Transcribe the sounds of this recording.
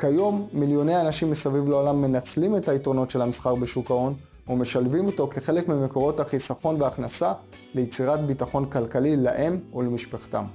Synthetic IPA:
kajo̞mːiljo̞nejanaʃimbesavivlaolamːe̞nat͡slime̞taitʁo̞no̞tʃe̞lamisχaʁbeʃukao̞n | ume̞ʃalvimo̞to̞ke̞χe̞le̞kmime̞ko̞ʁo̞thaχisaχo̞nveaχnasa | lejet͡siʁatbitaχo̞nkalkalilaʔe̞mulemiʃpaχta̰m

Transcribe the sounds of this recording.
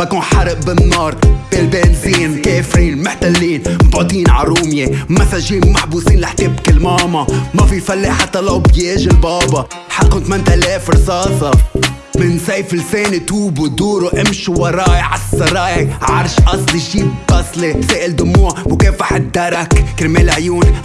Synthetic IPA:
bakuːnħɑɾˤʔbɪnːɑːɾˤb̥eːlbeːlziːnmkeːfɾiːnmʊħt̪alːiːnmbʕoːt̪ˤiːnʕa̰ɾuːmjemasaʒiːnmːaħbuːsiːnlaħt̪ɪbkɪlmɑːmɑmafifalːeːħat̪ːalowbjeːʒɪlbɑːbɑ | ħaqːʊmt̪amant̪ʔaleːfɾsɑːsɑ | mɪnsajfɪlseːnit̪uːbud̪uːɾuʔɪmʃuwɑɾˤɑːjʕasˤːɑɾˤɑːjɪʕɑ̰ɾˤʃʔɑsˤlʃiːbɑsˤliseːʔɪld̪ʊmuːʕmʊkeːfaħɪd̪ːaɾˤakkɪɾmeːlʕjuːn

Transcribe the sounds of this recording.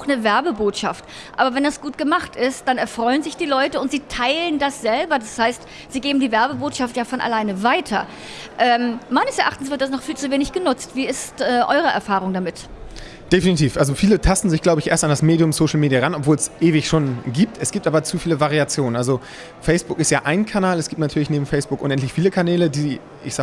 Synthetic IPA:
aʊxnəvɛɐbəboːtʃaft | ʔa̰ːbɐvɛndasɡ̥uːtɡ̥əmaχtɪst̚d̥anɛɐfʁ̥ɔʏənzɪçd̥iːlɔʏtəʊntz̥iːtʰaɪləndasz̥ɛlbɐdashaɪst | z̥iːɡeːbm̩diːvɛɐbəboːtʃaftjaːfɔnʔa̰laɪnəvaɪtʰɐ | ʔɛːmmaɪnəsɛɐʔaχtn̩sv̥ɪɐt̚d̥asnɔχfiːlt͡suveːnɪçɡ̥ənʊt͡stv̥iːɪstʔɛːʔɔ̰ʏʁəʔɛ̰ɐfaːʁ̞ʊŋdamɪt | d̥efinitʰiːfʔalzofiːlətʰastn̩zɪçɡ̥laʊbəɪçʔeːɐstandasmeːdjʊmsoʃl̩meːdijaʁanɔpv̥oːlɛsʔeːvɪçʃoːnɡiːp̚tʰɛsɡ̥iːp̚tʔaːbɐt͡suːfiːləvaʁiat͡sjoːnənʔalzo | fɛɪsb̥ʊkɪstjaːʔaɪnkʰanaːlɛsɡ̥iːp̚tnatʰyːɐlɪçneːbm̩fɛɪsb̥ʊkʔʊnʔɛntlɪçfiːləkʰanɛːlədiː | ʔɪ̰çz̥a

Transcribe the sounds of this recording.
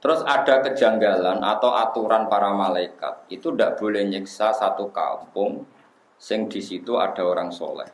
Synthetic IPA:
t̪əɾʊsad̥a̤kə̥d͡ʒ̥a̤ŋɡalanʔa̰t̪awʔat̪uɾanpaɾamalaika̰t̪̚it̪undaʔb̥o̤lɛhɲɪksasat̪uka̰mpʊŋ | sɪŋd̥isit̪ua̰d̥a̤oɾaŋso̰lɛ̰h

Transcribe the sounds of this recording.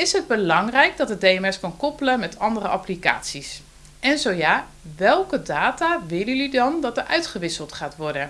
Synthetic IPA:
ɪsɦəd̚bəlɑŋrɛjk̚dɑtədejɛmɛskɑnkɔpələmɛtʰɑndərəʔaplika̰ːtsis | ɛnzowjaː | ʋɛlˠkədaːtaːʋɪlˠəlydɑndɑtərʔœɥtχəʋɪsəlˠtχaːtʋɔɹdə

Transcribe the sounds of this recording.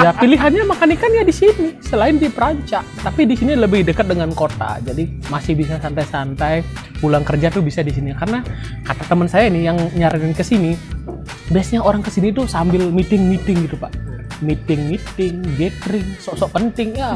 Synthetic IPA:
japiliɦanɲamakanikanjadisinisəlaɪndipəɾaɲt͡ʃaʔt̪apidisiniləbɪhdəkət̪̚dəŋankot̪a̰d͡ʒadimasɪhbis̬asant̪ajsant̪ajpulaŋkərd͡ʒat̪ubisadisinikarəna | kat̪at̪əmənsajainɪhjaŋɲaɾɪnnkəsini | biasɲaoɾaŋkəsinit̪usambɪlmit̪ɪŋmit̪ɪŋɡit̪upaʔmit̪ɪŋmit̪ɪŋɡekɾɪŋsɔʔsɔʔpənt̪ɪŋja

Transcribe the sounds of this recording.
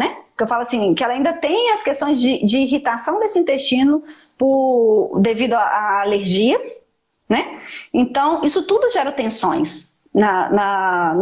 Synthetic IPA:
nɛpʊkewfalʊasĩkɪɛlɐaĩnd̪ɐt̪ẽj̃ɐskest̪õj̃zd͡ʒɪd͡ʒɪːɦit̪asɐ̃w̃d̪esɪĩnt̪est͡ʃĩnʊ | pʊd̪evid̪ʊaʔaːleɾʒiɐ | nɛẽt̪ɐ̃w̃isʊt̪ud̪ʊʒɛɾɐt̪ẽsõ̰j̃s | nɐnɐ

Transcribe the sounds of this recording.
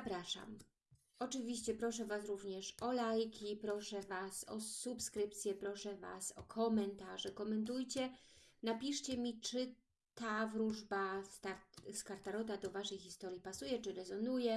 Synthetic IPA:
zapɾaʂa̰m | ɔt͡ʂɘvʲiɕt͡ɕɛpɾɔʂɛvasɾuvɲɛʂɔlajkʲipɾɔʂɛvasɔ̰supskɾɘp̚t̪sʲjɛpɾɔʂɛva̰sɔkʰɔmɛnt̪aʐɛkɔmɛnt̪ujt͡ɕɛnapʲiʂt͡ɕɛmʲit͡ʂɘ | t̪avɾuʐbast̪aɾt̪skaɾt̪aɾɔt̪ad̪ɔvaʂɛjxʲist̪ɔɾʲjipasujɛt͡ʂɘɾɛzɔnujɛ

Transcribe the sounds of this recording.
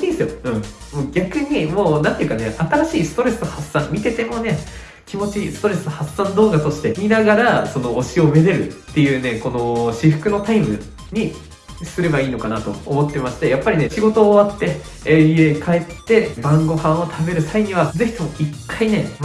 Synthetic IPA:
iːsɨjoɯ̟̃ɴ | moːɡʲakɯ̟ɲ̟imo̞ːnãnt̪e̞iɯ̟kaneat̪aɾaɕiːsɨ̥t̪o̞ɾe̞sɨ̥t̪ohasːãmmʲit̪e̞t̪e̞mo̞ne̞ | kʲʰimo̞t͡ɕisɨ̥t̪oɾe̞sɨt̪ohasãnd̪o̞ːɡat̪o̞ɕi̥t̪e̞mʲinaɡaɾaso̞no̞ːɕio̞be̞ɾe̞ɾɯ̟t̪ːe̞jɯ̟ːne̞ko̞no̞ɕiɸɯ̟kɯ̟no̞t̪aimɯ̟ | ɲ̟i | sɨɾe̞baiːno̞kanat̪o̞̰ːmo̞t̪ːe̞maɕi̥t̪e̞japːaɾʲine̞ɕiɡo̞t̪o̞ːβat̪ːe̞ | ie̞kʰae̞t̪ːe̞bãŋɡo̞hãɰ̃o̞t̪ʰabe̞ɾɯ̟saiɲ̟iβaze̞çi̥t̪omoikːaine̞m

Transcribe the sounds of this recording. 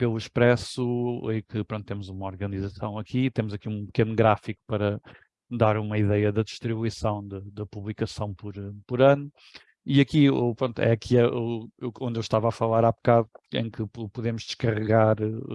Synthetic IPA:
pelˠuiʃpɾɛsuẽkɨpɾõnt̪̚t̪emuzumɐɔɾɣɐnizɐsɐ̰̃w̃ɐkʰit̪emuzɐkiũpɨkenuɣɾafiku̥pɐɾɐ | d̪aɾumɐiðɛjɐðɐðiʃt̪ɾiβuisɐ̃w̃d̪ɨd̪ɐpuβlˠikɐsɐ̃w̃pɔɾpɔɾɐnu | iɐkiupɾõnt̪uɛ̰ɐkʰiɛeõnd̪ewʃt̪avafɐlˠaɾapkaðuḛ̃j̃kɨpupuðemʊʒd̪ɨʃkɐʁɨɣaɾ

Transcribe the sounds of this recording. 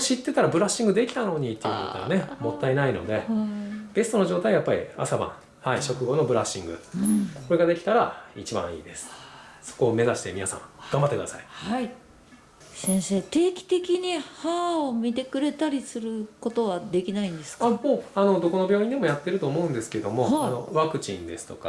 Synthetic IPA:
ɕit̪ːe̞t̪aɾabɯ̟ɾaɕĩŋɡɯ̟d̪e̞kʲi̥t̪ano̞ɲ̟it̪ːejiɯ̟kot̪oa̰ne̞mo̞t̪ːainaino̞̰d̪e̞b̥e̞sɨ̥t̪o̞noʑo̞ːt̪aiajapːaɾʲḭa̰sabã̰ | haiɕo̞kɯ̟ɡo̞no̞bɯ̟ɾaɕĩŋɡɯ̰ko̞ɾe̞ɡad̪e̞kʲi̥t̪aɾait͡ɕibã̰ɰ̃ḭːd̪e̞sɨ̥so̥ko̞ːme̞zaɕi̥t̪e̞mʲinasã̰ŋɡ̥ãmbat̪ːek̟d̪asa̰i̥ai | sẽ̞ɰ̃se̞ːt̪e̞ːkʲi̥t̪e̞kʲiɲ̟ihaːomʲit̪e̞kɯ̟ɾe̞t̪aɾʲisɨɾɯ̟ko̞t̪o̞βad̪e̞kʲinaĩnd̪e̞sɨ̥kaoːano̞d̪o̞ko̞no̞bʲjo̞ːĩnd̪e̞mo̞jat̪ːe̞ɾɯ̟t̪o̞ːmo̞ɯ̃nd̪e̞sɨ̥ked̪o̞mo̞ano̞̰βakɯ̟t͡ɕḭ̃nd̪e̞sɨ̥t̪o̞ka̰

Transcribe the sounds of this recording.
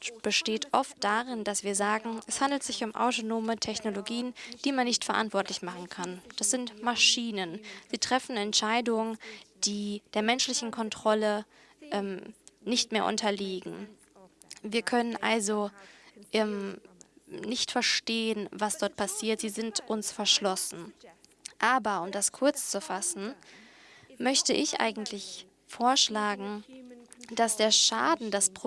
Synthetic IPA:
b̥əʃteːtʔɔft̚d̥aʁɪnd̥asv̥iːɐzaːɡŋ̩ʔɛshandl̩tz̥ɪçʊmʔa̰ʊtonoːmətʰɛçnoloɡiːənd̥iːmanːɪçtfɛɐʔa̰ntv̥ɔɐtlɪçmaχn̩kʰand̥asz̥ɪntmaʃiːnənz̥iːtʁ̥ɛfn̩ɛntʃaɪdʊŋənd̥iːd̥eːɐmɛnʃlɪçn̩kʰɔntʁ̥ɔlə | ʔɛmnɪçtmeːɐʔʊ̰ntʰɐliːɡŋ̩ | viːɐkʰœnənʔa̰lzoʔɛm | nɪçtfɛɐʃteːənvasd̥ɔɐt̚pʰasiːɐtz̥iːzɪntʔʊnsfɛɐʃlɔsn̩ | ʔaːbɐʊmdaskʰʊɐt͡st͡sufasn̩ | mœçtəʔɪçʔa̰ɪɡŋ̩tʰlɪç | foːɐʃlaːɡŋ̩ | d̥asd̥eːɐʃaːdn̩daspʁ̥o

